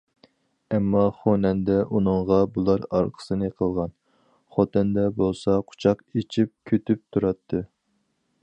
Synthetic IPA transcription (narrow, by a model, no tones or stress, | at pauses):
ɛmːɑχonɛnd̪ɛʔunɨŋʁɑbulˠɑɾɑɾqʰə̥sɨnɨqʰəlˠʁɑn | χot̪ʰɨnd̪ɛbolˠsɑqʰʊ̥t͡ʃʰɑqet͡ʃʰip̚kʲʰøt̪ʰyp̚t̪ʰuɾɑt̪ʰːɨ